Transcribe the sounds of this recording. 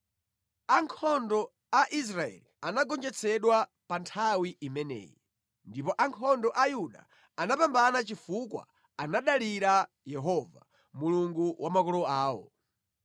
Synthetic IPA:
aŋkʰɔndɔ | aʔis̬ɾaɛ̰lianaɡɔnd͡ʒɛt͡sʰɛɗwa | pantʰawiʔimɛnɛ̰ːji | ndipɔʔaŋkʰɔndɔʔajuɗa̰ | anapambanat͡ʃifukwa̰ | anaɗaliɾa | jɛɦɔva̰ | muluŋɡuwʔamakɔlɔaːwɔ̰

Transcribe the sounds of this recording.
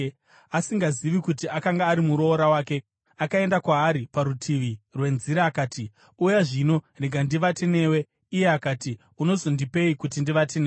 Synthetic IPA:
asiŋɡaziʋikutiakaŋɡaːɾimuɾo̞ːɾawaːke̞ | akae̞ndakwaːɾipaɾutʰiʋirwe̞nziɾaːkaːti | ujaʐino̞reɡʱandiʋatene̞ːwe̞ | ije̞akaːti | uno̞zo̞ndipe̞ikutindiʋatene

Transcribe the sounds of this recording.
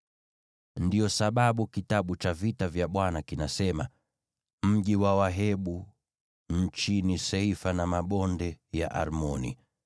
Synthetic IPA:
ndijɔsaɓaɓukitaɓut͡ʃavitavjaɓwanakinasɛma | m̩ʄiwawaɦɛɓu | ɲ̩t͡ʃinisɛifanamaɓɔndɛja̰ʔa̰ɾmɔnḭ

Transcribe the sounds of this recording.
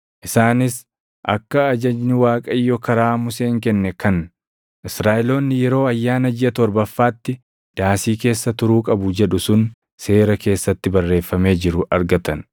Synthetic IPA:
ʔɪsaːnɪs | ʔɐ̰kːɐːd͡ʒɐd͡ʒnɪwaːkʼɐɪjːɔkɐɾaːmʊseːŋkɛnːɛkɐn | ʔɪsɾaːʔɪlo̞ːnːɪjɛɾo̞ːɐjːaːnɐd͡ʒɪɐt̪ɔɾbɐfːaːt̪ːɪ | d̪̥aːsiːke̞ːsːɐt̪ʊɾuːkʼɐbʊd͡ʒɛᶑʊsʊn | se̞ːɾɐke̞ːsːɐt̪ːɪbɐrːe̞ːfːɐme̞ːd͡ʒɪɾʊʔɐɾɡɐt̪ɐn

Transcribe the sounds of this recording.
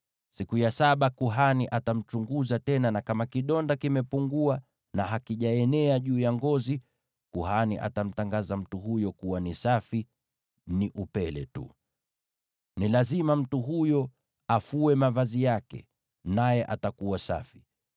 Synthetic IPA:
sikujasaɓakuɦaniʔatam̩t͡ʃuŋɡuzatɛnanakamakiɗɔndakimɛpuŋɡua | naɦakiʄaɛnɛaʄuːjaŋɡɔzi | kuɦanḭʔa̰tam̩taŋɡazam̩tuɦujɔkuwanisafi | niʔupɛlɛ̰tṵ | nilazimam̩tuɦujɔ | afuɛmavazijakɛ̰ | najɛʔatakuwasa̰fi̥

